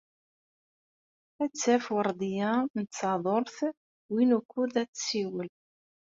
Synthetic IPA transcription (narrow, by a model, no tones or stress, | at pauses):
æt͡sːæfwəɾˤd̪ˤijænət͡sːɑðˤoɾˤθ | winukʷːuðæt͡sːsiwəl